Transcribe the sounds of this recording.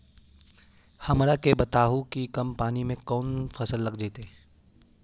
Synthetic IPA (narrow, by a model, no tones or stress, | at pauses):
hɐmɾakebɐt̪aːɦũkikɐmpaːnimẽkɔːnfʰɐsəlːɐɡd͡ʒeːt̪eː